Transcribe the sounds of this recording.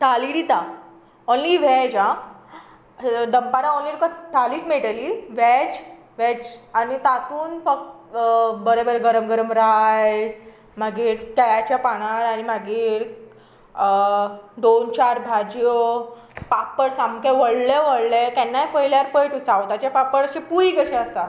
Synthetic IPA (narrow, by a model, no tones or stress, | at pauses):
ʈ̪aliɽit̪a | onliʋɛd͡ʑa | d̪əmpaɾaonliɾukat̪ʰaliːt̪meʈəliʋɛd͡ʑ | ʋɛd͡ʑanit̪at̪uːnfək̚ʈ | bəɾebəɾeɡəɾəmɡəɾəmɾaj | maɡiːɾt̪ajat͡ɕjapaɽ̃aɾaɽ̃imaɡiːɾ | d̪ont͡ɕaɾbʱad͡ʑjo | papːəɽsamkeʋəɽleʋəɽlek̪ɛnːajpəɦiljaɾpəjʈusaʋot̪at͡ɕjapapːəɽəɕipuɾiːkəɕeəst̪a